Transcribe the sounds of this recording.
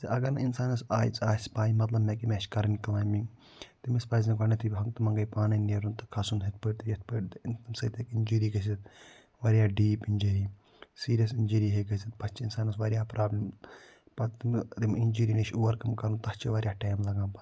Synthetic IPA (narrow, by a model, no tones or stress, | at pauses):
sɐʔɐɡɐɾninsaːnɐsaːjḭt͡saːspaːimɐt̪lɐbnɐkimʲeʃkɐɾɐnklaːjmĩŋɡ | t̪imispaːzɐkɐnɐt̪ʰibʲɦɐŋt̪ɐmɐŋɡɐjpaːnɐnʲeɾunt̪ɐkʰɐsunɦɐt̪̚ʰpəʈʲt̪jɐt̪̚ʰpəʈt̪t̪imsɐt̪ʰɐkind͡ʒuːɾiːɡɐs̬ʲit̪̚ | ʋɐɾʲjaːɖiːpinʲd͡ʒɐɾiː | siːɾjɐs̬inʲd͡ʒiɾiːɦeɡɐsit̪̚pɐt͡ʃʰiinsaːnɐsʋɐɾjaːpɾaːblim | pɐt̪imt̪iminʲd͡ʒuːɾiːneʃʰoːʋɐɾkɐmkɐɾunt̪ɐst͡ʃʰiʋɐɾʲjaːʈaːmlɐɡãːpɐ